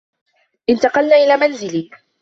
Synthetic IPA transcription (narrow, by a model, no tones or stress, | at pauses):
ʔɪnt̪ɑqɑlnaːʔɪlaːmanzɪlɪ